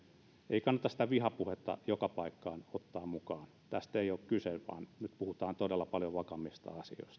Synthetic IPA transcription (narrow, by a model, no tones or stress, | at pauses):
eikɑnːɑt̪ɑsit̪æʋihɑpuhet̪ːɑ̰jokɑpɑikːɑːnot̪ːɑːmmukɑːnt̪æst̪eioːkkyselʋɑ̰ːnnyt̪puhut̪ɑːnt̪odelːɑpɑljoʋɑkɑmist̪ɑ̰ɑsio̰ist̪ɑ̥